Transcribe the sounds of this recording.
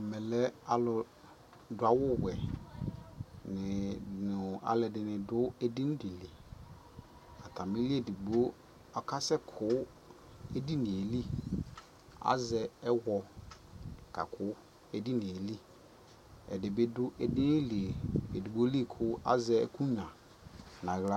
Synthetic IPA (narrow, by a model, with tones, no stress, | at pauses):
mɛ˨lɛ˦a˨lʊ˨ | dʊ˨a˨wʊ˦wɛ˨ | nɪ̃˨nʊ˨a̰˨lɛ˨dɪ˨nɪ̃˨dʊ˦ɛ˨dɪ̃˦n˦de˨li˨ | a˨tʰa˨mĩ˦li˦ɛ˨di˨ɡ͡bo˦ | ɔ˨kʰa˦sɛ˦kʰʊ˨˦ | ɛ˦di˦nɪ̃˨e˨li˦ | a̰˨zɛ˨ɛ˦wɔ˨ | ka̰˨kʰʊ˦ | ɛ˨di˦nɪ̃˨e˨li˦ | ɛ̰˨dɪ˨be˦dʊ˦ʔɛ˨dɪ˦n˦li˨e˨e˨di˨ɡ͡bo˦li˦e˦˨kʰʊ˦a̰˦zɛ˦ɛ̰˨kʰũ˦ɲã˨ | nã˨ɣla˦